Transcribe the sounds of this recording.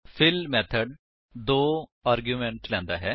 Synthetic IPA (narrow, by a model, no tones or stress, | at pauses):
fʰɪlmɛːt̪ʰəɖ | d̪oːaːɾɡjumẽɳʈlɛ̃ːnd̪aɦɛː